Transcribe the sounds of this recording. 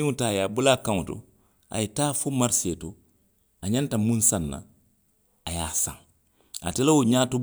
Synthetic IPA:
ĩŋutaːjaːbulakãŋoto̰ | a̰jetaːfomaɾsieto | aɲãntamũnsanːa̰ | ajaːsã̰ŋ | a̰tɛlawoɲaːto

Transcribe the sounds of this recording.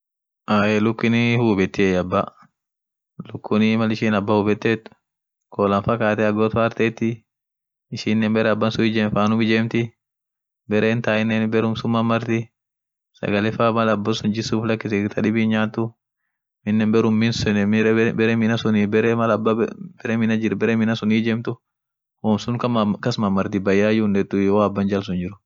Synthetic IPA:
ʔaːjelʊkːɪnɪhuːbɛt̪ːɪɛjɐbːɐ | lʊkːʊnɪmɐlɪʃiːnɐbːahuːbɛt̪ːet̪ːʊ̥ | kʰoːlɐnfɐkaːt̪ɛɐɡot̪aːɾt̪eːt̪ːɪ | ɪʃiːnːɛmbɛɾɛɐbːɐnsʊɪd͡ʒeːnfaːnʊmɪd͡ʒeːmt̪ɪ | bɛɾʔeːnt̪aːɪnːɛnbɛɾʊmsʊmːɐmːɐɾt̪ɪ | sɐ̰ɡɐlɛfamɐlɐbːɐsʊnd͡ʒɪsuːflɐkːɪsɛt̪ʰɐᶑɪbiːnɲaːt̪ːʊ | mɪnːɛnbɛɾʊmːɪnsʊnbɛɾɛmɪnɐsʊnibɛɾɛmɐlɐbːɐbɛɾɛmɪnɐd͡ʒɪɾbɛɾɛmɪnɐsʊniːd͡ʒeːmt̪ʊ | hoːmsʊŋkɐmkɐsmɐmːɐɾt̪ɪbɐjːaːjʊnɛt̪ːʊjoɐbːɐnd͡ʒɐls̬ʊnd͡ʒɪɾʊ̥

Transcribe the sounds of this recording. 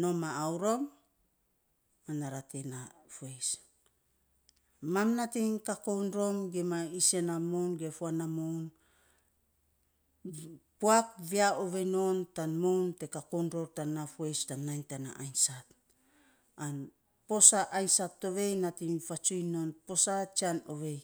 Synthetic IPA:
no̞maːwɾo̞m | anaɾatenafues | mamnatiŋkako̞wnɾo̞mɡemaisenamownɡefuanamown | poak̚viaoβe̞jno̞ntanmownte̞kakownɾo̞ɾtanːafue̞jstanːajntana̰ʔajnsat | an | po̞saʔajnsatːo̞βe̞jnatiŋfat͡ʃujno̞npo̞sat͡ʃianoβe̞j

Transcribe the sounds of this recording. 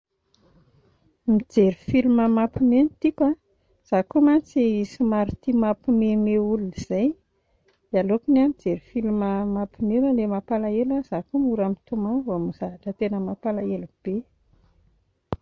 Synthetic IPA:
mid͡zeɾifiluməmapimenit̪ika | z̥akomant͡sisimaɾit̪imapimemeuluiz̥aj | alokunamid͡zeɾifiliməmapimewəlemapalaelaz̥akomuɾamit̪umanvomuzavaʈ͡ʂət̪enəmapalaelub̥e

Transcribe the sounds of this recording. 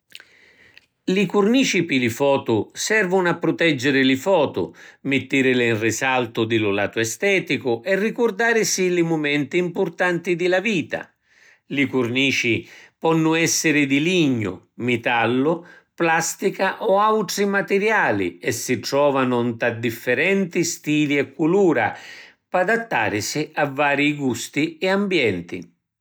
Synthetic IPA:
likʊrniːt͡ʃipɪlɪfɔːt̪ʊsɛrvʊnapːɾʊt̪ɛd͡ʒːɪɾɪlɪfɔːt̪ʊ̰mɪt̪ːiɾɪlɪnrisalt̪ʊd̪ɪlʊla̰ːt̪ʊɛst̪ɛːt̪ikʊʔɛrːikʊrd̪aːɾɪsilɪmʊmɛnt̪iːmpʊrt̪ant̪id̪ɪlaviːt̪a̰ | likurniːt͡ʃipɔnːʊɛsːɪɾɪd̪iliɲːʊ̰ | mit̪alːʊplast̪ikaʔɔawʈ̪ɾimat̪ɛɾjaːlḭɛsːiʈ̪ɾɔːvanʊnt̪ad̪ifːɛɾɛnt̪ist̪iːliɛkːuluːɾa̰ | pad̪at̪ːa̰ːɾɪsiavːaːɾiɡust̪iɛambjɛnt̪ḭ

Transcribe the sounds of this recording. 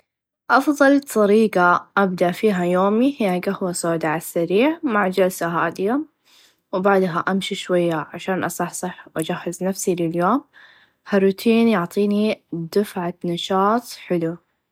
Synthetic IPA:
ʔɑfðˤɑlt̪ˤɑɾiːqaʔabd̪aʔfiːɦajoːmihɪjːaɡahwasoːd̪aʕasːaɾiːʕmaʕd͡ʒalsaɦaːd̪ja | wbaʕd̪ɦaʔamʃiʃwajːaʕaʃaːnʔɑsˤɑħsˤɨħwʔad͡ʒahːaznafsilɪljoːm | harut̪ʰiːnjʊʕt̪ˤiːnid̪ɪfʕanɑʃɑːt̪ˤħɪlu

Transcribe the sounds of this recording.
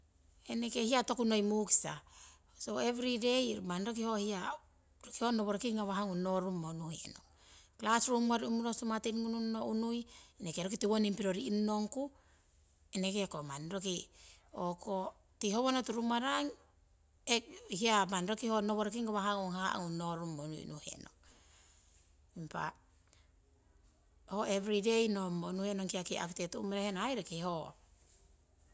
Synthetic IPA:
enekehiato̞kunojmuki̥sa̰ | soevɾidejmanɾok̬iho̞hia | ɾokihonoβoɾokiŋɡaβaɦaŋunːoɾumːonuhiḛno̰ŋ | klasɾumaɾiumuɾosumatinŋununːoʔunujenekeɾokitiwonimpiɾoɾiːnuno̞ŋku | enekekomanɾokioko | tihoβonotuɾumaɾaŋ | ehiamanɾokihonoβoɾokiŋɡoβaɦaŋoŋhaʔŋunoɾumonṵj̰nuhḛno̰ŋ | impa̰ | hoevɾidejnomonuhenoŋkiakia̰kutetuʔumeɾehenoŋajɾekiho

